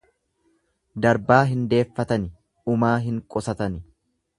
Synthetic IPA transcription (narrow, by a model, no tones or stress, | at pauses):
d̪ɐɾbaːɦɪnd̪e̞ːfːɐt̪ɐnɪ | ʊmaːɦɪŋkʼɔsɐt̪ɐnɪ